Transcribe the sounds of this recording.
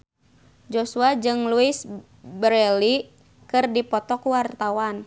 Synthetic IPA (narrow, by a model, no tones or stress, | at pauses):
d͡ʒosuad͡ʒɨŋluɪs | bɾɛli | kɨrdipɔt̪ɔkuwart̪awan